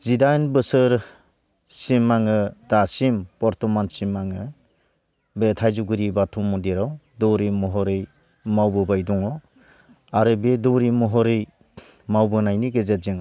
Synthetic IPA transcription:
zidajnbɯsɯɾ | simːaŋɯdasimpɔɾtɔmansimːaŋɯ | betʰajzuɡɯɾibatʰumɔdiɾaw | dɔwɾimɔɦɔɾɯj | mawbɯbajduŋɔ | aɾɯbedɔɾimɔɦɔɾɯj | mawbɯnajniɡezet̚ziŋ

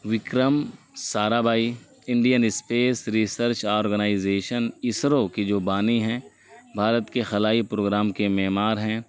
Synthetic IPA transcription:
ʋɪkɾəm | saːɾabʱaːi | ɪ̃ɳɖijənɪspeːsɾiːsəɾt͡ʃɔːɾɡənaːɪzeːʃənɪsɾõkid͡ʒoːbaːniɦɛ̃ː | bʱaːɾət̪kexɐlaːipɾoːɡɾaːmkemɛːmaːɾɦɛ̃ː

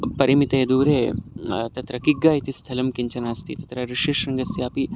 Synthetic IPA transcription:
pɐɾimit̪ɐed̪uːɾeːt̪ɐt̪ɾɐkiɡːaːjit̪ist̪ʰɐlɐmkiɲt͡ʃɐnaːst̪ʰit̪ɐt̪ɾɐɾiʃeːʃɾɐŋɡɐsiaːpi

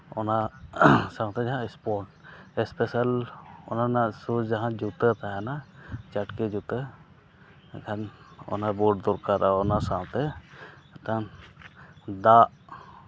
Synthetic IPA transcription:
ɔna | sawt̪ɛd͡ʒaɦãɛspɔʈɛspɛsalɔ̰nanasud͡ʒaɦãd͡ʒut̪ət̪ajanad͡ʒaʈkɛd͡ʒut̪ə | ɛkʰanɔ̰nabɔɖd̪ɔɾkaɾʔaɔnasawt̪ɛ | t̪an | d̪aʔ

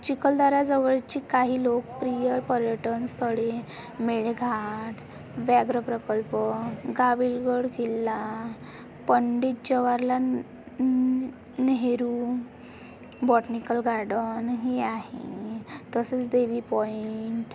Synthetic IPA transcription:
t͡ɕikəld̪aɾad͡zəʋəɭt͡ɕiːkaɦiːlokpɾijəɾpəɾjəʈənst̪ʰəɽe | meɭeɡʱaʈ | ʋɛɡɾəpɾəkəlpəɡʱaʋilɡəɽɡelːa | pəɳɖiʈ̚d͡ʑəʋaɾla | nɦeɾu | bɔʈnikəlɡʱaɾɽənɦeaɦḛt̪əsət͡sd̪eʋiːpɔiɳʈ

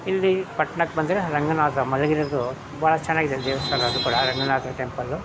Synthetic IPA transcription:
ilːipɐʈɳɐkːbɐnd̪ɐɾeɾɐŋɡɐnaːt̪ɐmɐlɐɡiɾɐd̪u | baːɭɐt͡ʃɛnːaːɡid̪ed̪ɛːʋɐsaːlɐːd̪ukuːɽɐɾɐŋɡɐnaːt̪ɐʈempɐlːu

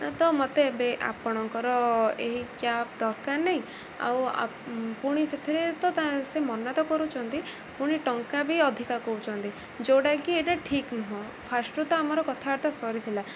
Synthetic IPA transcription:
t̪ɔmɔt̪ebeʔa̰pɔɽ̃ɔŋkɔɾɔeɦikjad̪ɔɾkaɾnaɦĩ | a̰wa̰puɽ̃iset̪ʰiɾet̪ɔt̪asemɔnːat̪ɔkɔɾut͡ʃʰɔnt̪i | puɽ̃iʈɔŋkabʱiɔd̪ʱikakɔɦut͡ʃʰɔnt̪i | d͡ʒoɽakieʈaʈʰiknuɦɔ̃ | pʰasʈut̪ɔamɔɾɔkɔt̪ʰaaɾt̪asɔɾit̪ʰila

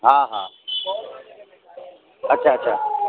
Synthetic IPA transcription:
ɦãːɦãː | ɐtːt͡ʃʰaːɐtːɕʰa̰ː

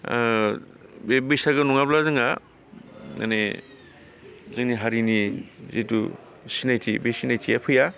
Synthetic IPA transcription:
bebesaɡɯnɔŋablazɯŋa | na̰ne | zɯŋniɦaɾinizetu | sinajtʰibesinajtʰijapʰɯja

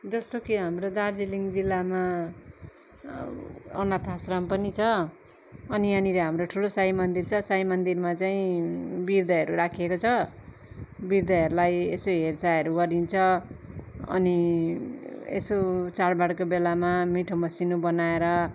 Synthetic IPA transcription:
d͡zʌst̪okiɦamrod̪ard͡ziliŋɡd͡zilːama | ʌ̰nat̪ʰasrampʌnit͡sʰʌː | niʌnileɦamroʈʰulosaɦimʌnd̪irt͡sʰʌsaimʌnd̪irmat͡saĩbird̪ʌɦʌɾuɾakʰekot͡sʰʌ | biɾd̪ʌɦʌɾulajesoɦert͡saʌɾuɡʌɾint͡sʰʌ | ʌ̰ni | ḛsot͡saɽbaɽkobelamamiʈʰomʌsinobʌnaeɾʌ

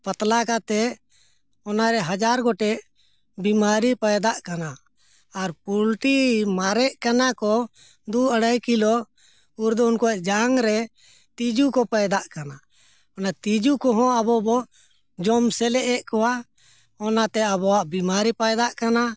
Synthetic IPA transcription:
pət̪lakat̪ɛ | ɔnaɾɛɦad͡ʒaɾɡɔʈɛʔ | bimaɾipajd̪aʔkanaː | ɾpulʈimaɾɛʔkanakɔ | d̪uəɽajkilɔ | uɾd̪ɔunkɔɛʔd͡ʒaŋɾɛ | t̪id͡ʒukɔpajd̪aʔkana | ɔnat̪id͡ʒukɔɦɔ̃abɔbɔʔ | d͡ʒɔmsɛlɛʔɛʔkɔwa | ɔnat̪ɛabɔwaʔbimaɾipajd̪aʔkana

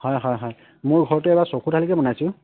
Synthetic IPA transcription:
hɔjɦɔjɦɔj | mʊɹɡʱɔɹɔtɛɛbasokʰutʰalikɛbɔnajsʊ̃

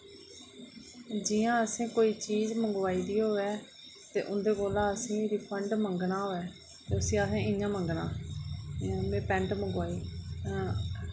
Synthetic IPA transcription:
d͡ʒijãːəsẽːkoːiːt͡ʃiːzməŋɡaːiːd̪iːɦoːɛː | t̪eːʔʊnd̪eːkoːlãːəsĩːɾɪpʰəɳɖməŋɡnaːɦoːɛː | t̪eːʊsĩːəsẽːɪɲãːməŋɡnãː | mẽːpɛ̃ːɳʈməŋɡʋaːiː

